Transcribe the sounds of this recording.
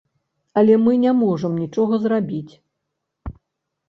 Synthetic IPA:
ɐlʲɛmɨnʲamɔʐɐmnʲit͡ʂɔɣɐzrabʲit͡sʲ

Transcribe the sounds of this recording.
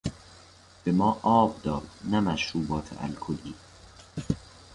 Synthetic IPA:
b̥emɒːʔɒːbd̪ɒːd̪næmæʃɾuːbɒːt̪ʰḛʔæ̰lkʰoliː

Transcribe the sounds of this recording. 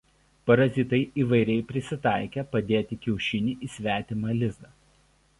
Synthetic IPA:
pɐɾɐzʲɪt̪ɐɪʔiːʋɐɪɾʲɛɪpʲɾʲɪsʲɪt̪ɑˑɪkʲɛpɐd̪ʲeːt̪ʲɪkʲɛʊʃʲɪnʲiʔiːsʲʋʲæːt̪ʲɪmɑlʲɪzd̪ɐː

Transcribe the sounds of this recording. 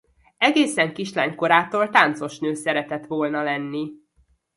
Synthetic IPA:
ɛɡeːsɛŋkiʃla̰ːɲko̞ɾaːt̪oːlt̪aːnt̪so̞ʃnøːsɛɾɛt̪ɛt̪ʋoːlnɒlɛnːi

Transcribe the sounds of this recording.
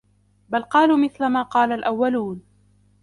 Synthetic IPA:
balqɑːluːmɪθlamaːqɑːlalʔawːaluːn

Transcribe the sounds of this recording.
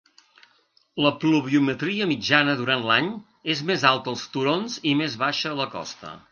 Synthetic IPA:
ləpluβiumət̪ɾiəmid͡ʒanəðuɾant̪laɲ | ezmezalˠt̪əːlˠst̪uɾonzimezβaʃəːləkɔ̰st̪ə̰

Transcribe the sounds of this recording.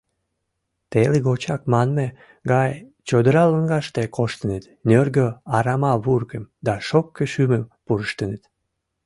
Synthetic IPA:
t̪eleɡot͡ɕɑkmɑnme | ɡɑjt͡ɕod̪əɾɑləŋɡɑʃt̪ekʰoʃt̪ənet̪nørɡøɑɾɑmɑβurkəmd̪ɑʃokːeʃyməmpuɾəʃt̪ənet̪

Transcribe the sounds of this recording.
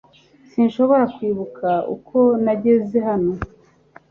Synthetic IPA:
sinʃo̞βo̞ɾakwiːβukʰaṵkʰo̞naɟe̞ze̞ɦano̞

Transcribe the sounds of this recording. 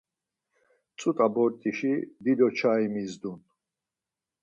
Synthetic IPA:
t͡sʼut̪ʼabɔɾt̪ʼiʃid̪id̪ɔt͡ʃʰaimizd̪un

